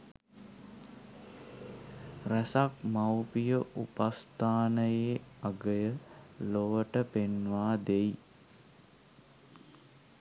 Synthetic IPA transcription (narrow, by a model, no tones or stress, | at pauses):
ræsak̚mawpijəʔupast̪aːnəjeːaɡəjəloʋəʈəpenʋaːd̪ej